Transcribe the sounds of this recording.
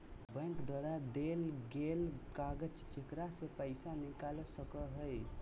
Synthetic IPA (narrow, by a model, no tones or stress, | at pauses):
bə̃ŋkd̪waɾad̪elɡelkaɡət͡ʃt͡ʃekɾasepəɪsanikalsəkəɦəj